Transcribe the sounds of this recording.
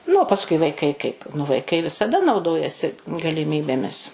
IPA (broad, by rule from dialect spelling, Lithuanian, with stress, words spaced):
nʊ oː pɐsˈkʊɪ ʋɐɪˈkɐɪ kɐɪp nʊ ʋɐɪˈkɐɪ ʋʲɪsɐˈdɐ nɐʊˈdoːjɛsʲɪ ɡɐlʲɪˈmʲiːbʲeːmʲɪs